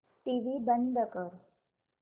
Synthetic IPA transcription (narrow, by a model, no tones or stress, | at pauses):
ʈiʋibənd̪ʱəkəɾ